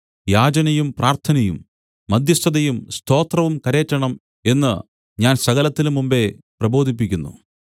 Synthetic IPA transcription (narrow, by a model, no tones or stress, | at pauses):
jaːd͡ʑɐnɐjumpraːrt̪ʰɐnɐjumː | ɐd̪ʱjɐst̪ʰɐðɐjumst̪ʰo̞ːt̪rɐʋumkɐɾe̞ːtːɐɳɐm | e̞nːɨ | ɲaːnsɐɣɐlɐt̪ːilmːumbe̞prɐbo̞ːd̪ʱip̬ːikʲːunːṵ